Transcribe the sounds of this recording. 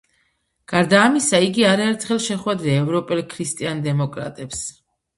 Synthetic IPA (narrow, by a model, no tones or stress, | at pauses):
ɡ̥aɾd̪aːmisaiɡiaɾaɛɾt̪ʰχɛlˠʃɛχwɛd̪ɾɛːvɾɔpʼɛlˠkʰɾist̪ʼiand̪ɛmɔkʼɾa̰t̪ʼɛps